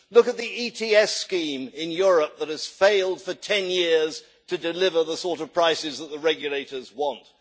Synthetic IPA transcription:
lʊkɨt̪̚ðiitʰiɛskĩmɪ̃njʊɹəp̚ðəɾ̚ɨz̥feɪlˠd̥fə˞tʰɛ̃njɪɹz̥ | tʰɨdɨlɪvə˞ðəsɔɹɾʌv̥pʰɹ̥aɪsɨzðət̪̚ðəɹɛɡjɨleɪɾə˞zwɑ̃nt̚

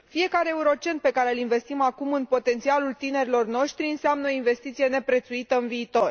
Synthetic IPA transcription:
fije̞kaɾe̞euɾo̞t͡ʃe̞nt̪̚pe̞kaɾe̞ɨlinve̞st̪imakumɨnpo̞t̪e̞nt̪sialult̪ine̞ɾilo̞rno̞ʃt̪ɾiɨnseamnəoinve̞st̪it̪sije̞ne̞pɾe̞t̪suit̪əɨnviːt̪o̞r

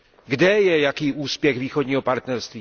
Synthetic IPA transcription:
ɡdɛjɛjakiːʔuːspjɛɣviːxodɲiːɦo̞paɾt̪nɛɾst̪viː

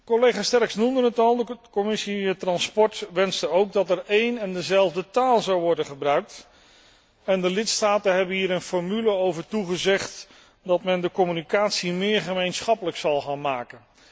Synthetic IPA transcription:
kɔlejχaːstɛɹɪksnumdənətɑlˠdəkɔmɪsiətrɑnspɔɹtʋɛnstəowɡ̚dɑtɛɹejnɛndəzɛlˠvdətaːlˠzɑwʋɔɹdənχəbrœɥk̚t | ɛndəlɪtstaːtənɦɛbənɦiːɾənfɔɹmyləowvəɹtuχəzɛχt | dɑtmɛndəkɔmynikaːtsimɪːɹχəmejnsχɑpələksɑlˠχaːnmaːkən

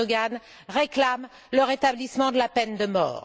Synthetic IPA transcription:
ɡan | ʁeklam | ləʁet̪ablismɑ̃d̪əlapɛnd̪əmɔ̰ːʁ

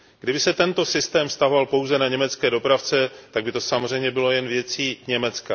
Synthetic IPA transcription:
ɡdɪbɪsɛt̪ɛnt̪o̞sɪst̪ɛːmfst̪aɦo̞valpowzɛnaɲɛmɛt͡skɛːdo̞pɾaft͡sɛt̪aɡ̚bɪt̪o̞samor̝ɛjmɲɛbɪlo̞jɛnvjɛt͡siːɲɛmɛt͡ska

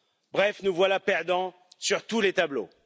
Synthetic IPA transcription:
bʁɛfnuvwalapɛʁd̪ɑ̃ | syʁt̪ulet̪ablo̰

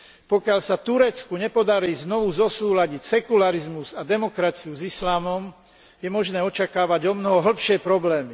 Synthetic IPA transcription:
pɔkɪalsat̪uɾɛt͡skuɲɛpɔd̪aɾiːznɔʋuzɔsuːlaɟicsɛkulaɾizmuzad̪ɛmɔkɾat͡siuzislaːmɔm | jɛmɔʒnɛːɔt͡ʃakaːʋaɟɔmnɔɦɔɦl̩pʃɪɛpɾɔblɛːmi

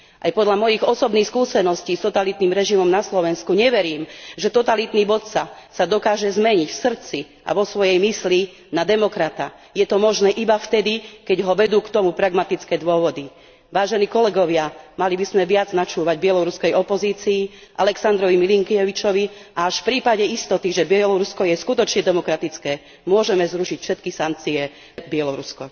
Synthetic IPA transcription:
ʔa̰jpɔd̪ʎamɔjiɣɔsɔbnixskuːsɛnɔsciːst̪ɔt̪alit̪niːmɾɛʒimɔmnaslɔʋɛnskuɲɛʋɛɾiːmʒɛt̪ɔt̪alit̪niːbɔt̪sasad̪ɔkaːʒɛzmɛɲicfsr̩t͡si | ʔa̰ʋɔsʋɔjɛjmisli | nad̪ɛmɔkɾat̪a̰ | jɛt̪ɔmɔʒnɛːʔibaft̪ɛd̪ikɛɟɦɔʋɛd̪uːkt̪ɔmupɾaɡmat̪it͡skɛːd̪ʊɔʋɔd̪i | ʋaːʒɛniːkɔlɛɡɔʋɪamalibizmɛʋɪad͡znat͡ʃuːʋaɟbɪɛlɔɾuskɛjɔpɔziːt͡siːʔalɛksand̪ɾɔʋimiliŋkjɛʋit͡ʃɔʋiʔaaʃfpɾiːpaɟɛist̪ɔt̪iʒɛbɪɛlɔɾuskɔjɛskut̪ɔt͡ʃɲɛd̪ɛmɔkɾat̪it͡skɛː | mʊɔʒɛmɛzɾuʃicfʃɛt̪̚kisaŋk̚t͡siɛ | bɪɛlɔɾuskɔ

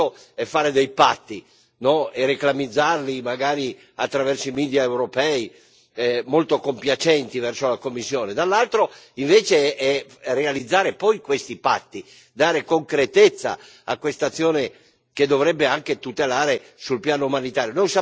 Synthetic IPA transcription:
o | ɛfːaːɾed̪ɛjpat̪ːi | nɔereklamid̪zːarlimaɡaːɾi | at̪ːɾavɛrsoimiːd̪jaewɾopɛi | molt̪okompjat͡ʃɛnt̪ivɛrsolakomːisːjoːned̪alːalt̪ɾoiɱveːt͡ʃeɛrealid̪zːaːɾepɔjkwest̪ipa̰t̪ːi | d̪aːɾekoŋkɾet̪et̪sːa̰ | a̰kwest̪at̪sːjoːne | k̟ed̪ːovɾɛbːeaŋket̪ut̪elaːɾesulpjaːnoumanit̪aːɾjonojsa

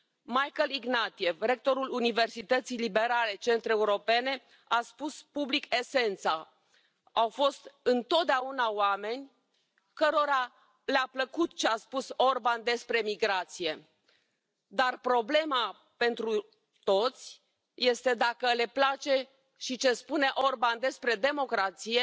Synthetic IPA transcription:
majkəliɡnat̪ije̞vɾe̞k̚t̪o̞ɾulunive̞rsit̪ət̪sijlibe̞ɾale̞t͡ʃe̞nt̪ɾeːuɾo̞pe̞ne̞ | aspuspublike̞se̞nt̪sa | awfo̞st̪ɨnt̪o̞t̪̚d̪eaunaowame̞nʲ | kəɾo̞ɾa | leapləkut̪t͡ʃeaspuso̞rband̪e̞spɾe̞miɡɾat̪sije̞ | d̪arpɾo̞ble̞ma | pe̞nt̪ɾu | t̪o̞t̪sʲ | je̞st̪ed̪akəle̞plat͡ʃe̞ | ʃit͡ʃe̞spune̞ʔo̞rband̪e̞spɾe̞d̪e̞mo̞kɾat̪sije̞

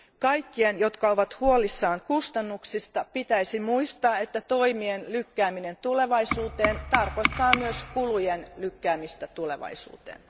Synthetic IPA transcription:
kɑjkːienjot̪kɑoʋɑt̪huolisːɑːŋkust̪ɑnːuksist̪ɑpit̪æisimuist̪ɑːet̪ːæt̪o̞imienlykːæːminent̪ule̞ʋɑisuːt̪eːnt̪ɑrko̞t̪ːɑːmyøskulujenlykːæːmist̪æt̪ulḛʋɑ̰isṵːt̪ḛːn

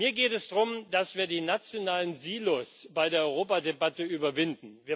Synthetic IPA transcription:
iːɐɡeːtɛsd̥ʁʊmd̥asv̥iːɐdiːnat͡sjonaːlənziːlʊsb̥aɪdeːɐʔɔʏʁoːpadebatəʔyːbɐvɪndn̩viːɐ

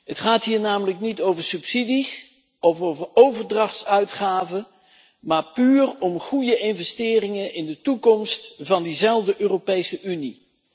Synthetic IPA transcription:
ɦətχaːtɦiːɹnaːmələknitowvəɹsɵpsidis | ɔfowvəɹowvəɹdrɑχtsœɥtχaːvə | maːɹpyːrɔmχujəʔɪnvɛstɪːrɪŋənɪndətukɔmstv̥ɑndizɛlˠvdəʔøːropejsəʔyni

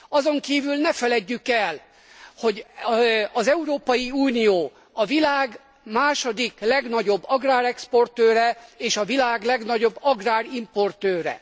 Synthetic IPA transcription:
ɒzo̞ŋkiːvylnɛfɛlɛɟːykɛl | ho̞ɟ | ɒzɛuɾoːpɒjiuːnijoː | ɒvilaːɡ | maːʃod̪iklɛɡnɒɟo̞bːɒɡraːɾɛkspo̞rt̪øːɾɛeːʃɒvilaːɡlɛɡnɒɟo̞bːɒɡraːɾimpo̞rt̪øːɾɛ̰

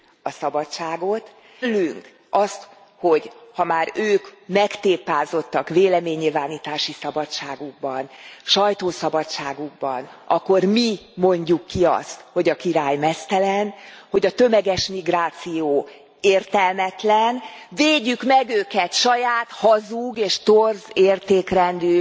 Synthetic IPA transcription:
ɒsɒbɒtt͡ʃaːɡo̞t̪ | lːyŋk | ɒst̪ | ho̞ɟhɒmaːɾøːkmɛkt̪eːpaːzo̞t̪ːɒkveːlɛmeːɲːilvaːniːt̪aːʃisɒbɒtt͡ʃaːɡuɡ̚bɒnʃɒjt̪oːsɒbɒtt͡ʃaːɡuɡ̚bɒnɒkːo̞rmimo̞ɲɟukːiɒ̰st̪ho̞ɟɒkiɾaːjmɛst̪ɛlɛnho̞ɟɒt̪ø̞mɛɡɛʃmiɡraːt̪sijoː | eːrt̪ɛlmɛt̪lɛn | veːɟːykmɛɡøːkɛt̪ʃɒjaːt̪hɒzuɡeːʃt̪orzeːrt̪eːkrɛnd̪yː

